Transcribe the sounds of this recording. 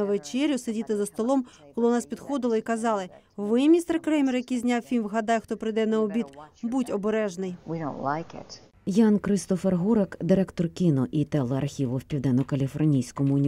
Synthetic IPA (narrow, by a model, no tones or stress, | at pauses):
ɐʋet͡ʃɛɾʲʊsedʲit̪ɪzɐst̪ɔlˠɔm | kɔlˠɪʊnɑspʲid̪xɔd̪ɪlˠɐikɐzɑlˠɪ | ʋɪmʲist̪ɛrkɾɛmʲirjɐkijzʲnʲɑwfʲimʋɦɐd̪ɑjɛxt̪ɔpɾɪjd̪ɛnɐɔbʲit̪butʲɔbeɾɛʒnɪjwiɾõʊ̃ntlaɪkɪ̰t | jɑnkɾɪst̪ɔferɦuɾekd̪ɪɾɛkt̪ɔrkʲɪnɔʔit̪ɛlˠɐɐrxʲiʋʊwpʲiwd̪ɛnɔkɐlʲifɔrnʲijsʲkɔmʊʊnʲi